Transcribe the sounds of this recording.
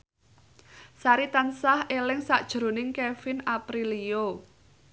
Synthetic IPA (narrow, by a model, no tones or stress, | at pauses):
saɾit̪ansahelɪŋsaʔd̥ʒ̥ɾo̤nɪŋkefɪnapɾilio